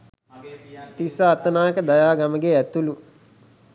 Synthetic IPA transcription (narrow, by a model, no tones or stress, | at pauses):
t̪isaːt̪ənaːjəkəd̪ajaːɡaməɡeæt̪ulu